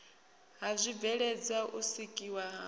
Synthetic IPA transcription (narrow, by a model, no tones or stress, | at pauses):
ɦazʷib̪vɛɺɛd͡zaʔusikʼiwaɦa